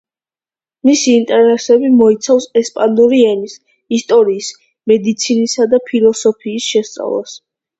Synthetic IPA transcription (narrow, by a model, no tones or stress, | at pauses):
misiːnt̪ʼɛɾnɛsɛbimɔit̪sʰafsɛspʼanuɾiɛnis | ist̪ʼɔɾiːs | mɛd̪it̪sʰinisad̪apʰilˠɔsɔpʰiːsʃɛst̪sʼa̰vlˠa̰s